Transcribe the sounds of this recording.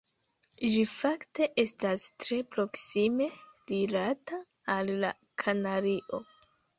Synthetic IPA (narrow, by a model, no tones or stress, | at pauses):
d͡ʒifakte̞ʔe̞stastɾe̞pɾo̞ksime̞lilataː | lːa̰ | kʰanaɾiʔo̞